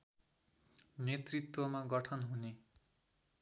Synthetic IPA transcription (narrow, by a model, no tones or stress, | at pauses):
net̪rit̪wʌmaɡʌʈʰʌnɦune